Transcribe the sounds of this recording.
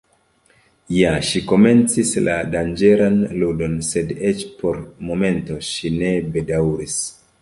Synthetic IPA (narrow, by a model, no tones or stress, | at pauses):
jaʃiko̞me̞nt͡sisla̰dand͡ʒe̞ɾanludo̞nse̞det͡ʃpo̞ɾmo̞me̞nto̞ʃinebe̞dawɾis